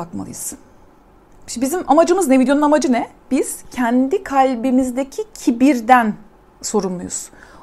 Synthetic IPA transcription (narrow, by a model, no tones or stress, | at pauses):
akma̰lˠɯ̰jɯz̥ | ʃbizimamad͡ʒɯmɯznɛvid̪jo̞nunamad͡ʒɯnɛ | b̥iz̥cʰɛnd̪ikʰalʲbimizd̪ecʰicʰibiɾd̪æn | so̞ɾunlˠujṵz̥